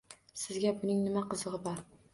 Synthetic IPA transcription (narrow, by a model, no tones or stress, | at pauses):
sɪzɡʲabʊnɪŋnɪmaqɨzɨʁɨbɒɾ